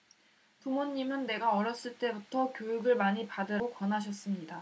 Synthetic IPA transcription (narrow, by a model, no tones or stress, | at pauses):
pumoɲːimɯnːe̞ɡaʌɾjʌs͈ɯɭt͈e̞butʰʌkjojuɡɯɭmaɲipadɯɾkwʌnɦaɕʰʌs͈ɯmɲida